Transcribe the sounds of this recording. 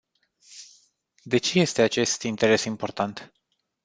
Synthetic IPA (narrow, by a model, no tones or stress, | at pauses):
d̪e̞t͡ʃe̞je̞st̪e̞at͡ʃe̞st̪int̪e̞ɾe̞simpo̞rt̪ant̪